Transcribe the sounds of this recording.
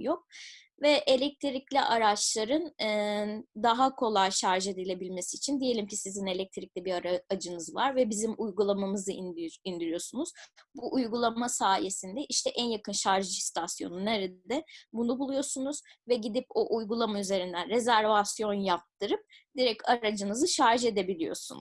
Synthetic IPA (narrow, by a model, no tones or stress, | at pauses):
jo̞k̚ | vɛʔe̞lʲɛc̚t̪ʰiɾiclʲiʔaɾat͡ʃlˠaɾɯnɯd̪aɦakʰo̞lˠajʃaɾʒɯd̪ilʲe̞bilʲme̞siːt͡ʃʰind̪ije̞lʲimcisizine̞lʲɛc̚t̪ʰiɾicʲlʲibiɾaɾad͡ʒɯnɯzvaɾvɛbizimʔujɡulˠamamɯzɯind̪iɾijo̞sunuz̥buʔujɡulˠamasaːje̞sind̪ɛʔiʃt̪ʰɛʔænjakɯnʃaɾʒɯst̪ʰasjo̞̰nuneɾid̪ɛbunubulˠujo̞sunuz̥vɛɟid̪ipoʔujɡulˠamayze̞ɾind̪ænɾe̞zæɾvasjo̞njap̚t̪ʰɯɾɯp̚d̪̥iɾɛcʰaɾad͡ʒɯnɯzɯʃaɾʒed̪e̞bilʲijo̞̰sṵn